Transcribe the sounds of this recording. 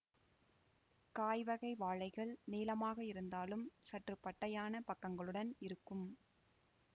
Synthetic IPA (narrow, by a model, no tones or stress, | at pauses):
kaːjʋɐɣɐɪʋaːɻɐɪɣɐɭneːlɐmaːɣɐɪɾɯnd̪aːlɯmsɐʈrɯpːɐʈːɐjaːnɐpɐkːɐŋɡɐɭɯɽɐnɪɾɯkːɯm